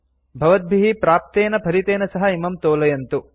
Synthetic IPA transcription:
bʱɐʋɐt̪̚bʱiɦipɾaːp̚t̪eːnɐpʰɐɾit̪eːnɐsɐɦɐimɐmt̪oːlɐjɐnt̪u

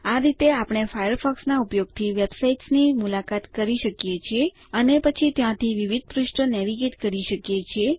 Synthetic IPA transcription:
aɾit̪eapɽ̃efajəɾfɔksnaupjoɡ̚t̪ʰiʋebsaiʈsnimulakat̪kəɾiʃəkjet͡ʃʰie | ənepət͡ʃʰit̪jãt̪ʰiʋiʋid̪̚ʱpɾʊʃʈənɛʋiɡet̪kəɾiʃəkjet͡ʃʰie

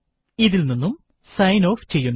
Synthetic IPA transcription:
iðilninːum | sɐjnoːft͡ɕe̞jːunː

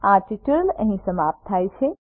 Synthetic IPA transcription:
aʈiʈəɾlə̃ɦĩsəmap̚t̪ʰːajt͡ʃʰe

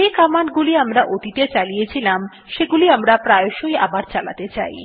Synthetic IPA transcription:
ekamanɡuliamɾaʔot̪it̪et͡ɕalijet͡ɕʰilam | ʃeɡuliamɾapɾaeoʃojabaɾt͡ɕala̰t̪et͡ɕa̰j

